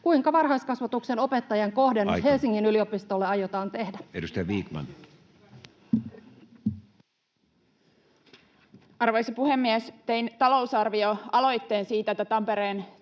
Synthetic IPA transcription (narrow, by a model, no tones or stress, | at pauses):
kuiŋkɑʋɑrhɦɑjskɑsʋɑt̪ukse̞no̞pe̞t̪ːɑjɑŋko̞hdenhe̞lsiŋːinyliopist̪olːeɑjot̪ɑːnt̪e̞hdæedust̪ejɑʋiːkmɑ̰n | ɑrʋojsɑpuhemːiest̪e̞jnt̪ɑlo̞wsɑrʋioɑlo̞jt̪ːeːnsiːt̪æet̪ːæt̪ɑmpeɾeːn